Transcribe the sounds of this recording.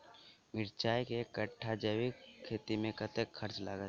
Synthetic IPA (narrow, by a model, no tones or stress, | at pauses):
mɪɾt͡ʃaːjkekəʈʰːad͡ʒəwikʰːeːt̪imẽkət̪ekxəɾt͡ʃla̰ɡə